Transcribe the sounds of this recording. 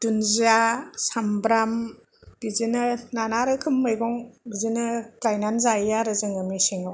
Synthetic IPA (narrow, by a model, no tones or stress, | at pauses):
d̥unziasambɾam | b̥izinɯnanaɾɯkʰɯmːɯjbɔŋbizinɯklajnanzajjaɾɯzɯŋɯmiseŋaw